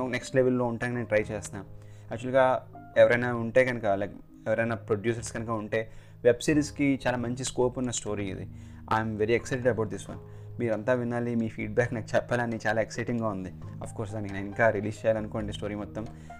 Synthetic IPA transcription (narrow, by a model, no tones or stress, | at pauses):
neksʈleʋelːo̞ːuɳʈaːnkneːnʈɾɐjt͡ʃeːsnaːm | ɐk̚t͡ʃuɐlɡaː | eʋɐɾɐjnaːuɳʈe̞ːɡɐnɐkɐlɐ | ɛʋɐɾɐjnaːpɾoɖjuːs̬ɐɾskɐnɐkɐuɳʈe̞ː | ʋebsiʈskit͡ʃaːlaːmɐɲt͡ʃiskoːpunːɐsʈo̞ːɾiːḭd̪ḭ | a̰ːjmʋeɾiɛksɐjʈeɖɐbɐwʈ̚d̪isʋɐ̰n | miːɾɐnt̪aːʋinːaːlimiːfʰiːɖbaːknaːkt͡ʃɛpːaːlaːnit͡ʃaːlaːeksɐjʈiŋɡaːund̪iɐ̰fkoːɾsd̪aːnikiniŋkaːɾiliːst͡ʃejalɐnukoːɳɖisʈo̞ːɾiːmɔt̪ːɐm